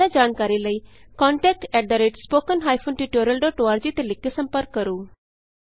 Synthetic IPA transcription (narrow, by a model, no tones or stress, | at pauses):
aːd͡ʒaːnkaːɾiːləiːkɔ̃ːɳʈɛːk̚ʈɛːɖd̪aːɾeːʈspoːkənɦaːipʰoːnʈiːʈoːɾjəlɖoːʈoːaːɾd͡ʒiːt̪elɪkːeːsə̃mpəɾkːəɾuː